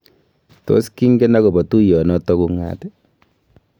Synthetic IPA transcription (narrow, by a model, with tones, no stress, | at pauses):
to̰˦ski˦ŋɡɛ˦na˦kɔ˨bɔ˨tu˦jɔ˨nɔ˦tɔ˦ku˦ŋa̰tɛ